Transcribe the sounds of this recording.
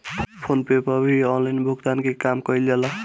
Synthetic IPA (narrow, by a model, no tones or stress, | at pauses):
pʰonpepʌbʱiɔnlajnbʱukd̪ankekamkʌilala